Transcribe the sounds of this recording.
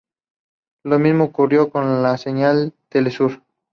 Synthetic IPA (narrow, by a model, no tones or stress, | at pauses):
lo̞mizmoːkurjo̞ko̞nlase̞ɲalt̪e̞lesuɾ